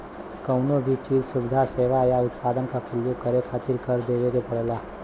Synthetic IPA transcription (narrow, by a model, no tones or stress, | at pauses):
kəʊnõbʱit͡ʃiːd͡ʒsʊbɪd̪ʱaseːʋajaʊt̪paːd̪ənkapʊɾəjoːɡ̚kɐɾekʰaːt̪ɪɾkəɾd̪eːʋeɡepɐɽlaː